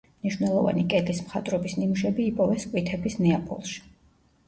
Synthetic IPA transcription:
mniʃwnɛlˠɔva̰nikʼɛɡlismχat̪ʼɾɔbisnimuʃɛbiːpʼɔvɛskʼwit̪ʰɛbisnɛapʰɔ̰lˠʃi̥

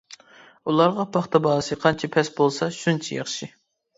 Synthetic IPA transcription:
ulˠɑɾʁɑpʰɑχt̪ʰɑbɑːsɨqʰɑnt͡ʃʰɛpʰɛsbolˠsɑʃunt͡ʃʰɛ̰jɑ̰χʃi

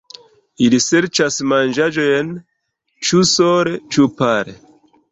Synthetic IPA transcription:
ilise̞ɾt͡ʃasmand͡ʒad͡ʒojen | t͡ʃusoɾet͡ʃupaɾe

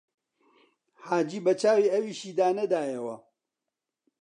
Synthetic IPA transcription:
haːd͡ʒiːbɐt͡ʃaːwiːɐwiːʃiːd̪aːnɐd̪aːjɐwɐ̰

